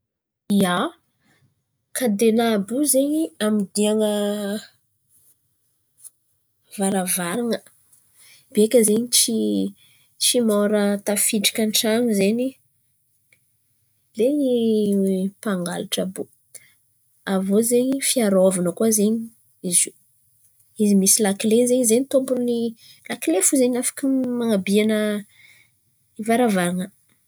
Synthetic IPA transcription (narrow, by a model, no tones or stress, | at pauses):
ia | kad̪enabuzeɲiamid̪iaŋə | vaɾavaɾiŋə | bekʲəzeɲit͡ʃi | t͡ʃimoɾət̪afiʈ͡ʂi̥kʲanʈ͡ʂaŋuzeɲi | leni | paŋɡalaʈ͡ʂabu | avozeɲifiaɾovanəkuazeɲi | izi | izimisilakileɲzeɲizeɲit̪ombuɾuni | lakilefuzeɲafḁkimaŋabianə | ivaɾavaɾaŋə